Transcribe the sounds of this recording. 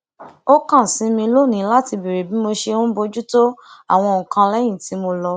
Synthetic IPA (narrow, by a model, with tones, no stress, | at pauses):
o˦kã˦˨sĩ˨˦mĩ˧˦lo˦˨nĩ˨˦la˦ti˧be˨ɾe˨bi˨˦mo˧ʃe˧ũ˦bo˧d͡ʒu˦to˦a̰˦˨w̃ɔ̃˧˨kã˧lɛ˦j̃ĩ˦˨ti˨˦mo˧lɔ˧